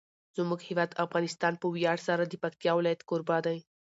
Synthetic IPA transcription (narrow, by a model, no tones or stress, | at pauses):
zuməkhiʋat̪əfɡanist̪anpuwjaɽsaɾəd̪ipəkt̪jawlat̪koɾbad̪əj̃